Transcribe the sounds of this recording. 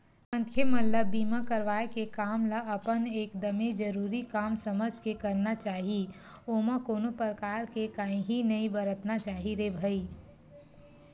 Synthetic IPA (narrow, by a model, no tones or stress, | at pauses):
mə̃nt̪ʰjəmɐlləbiːmakəɾʋaːekekaːmlaʔɐpəneːkd̪ɐmed͡ʒəɾuːɾikaːmsəməskekəɾnat͡ʃaːɦi | oːmakoːnopəɾəkaːɾkekaːĩɦinɐĩbəɾət̪nat͡ʃaːɦiɾebʱəi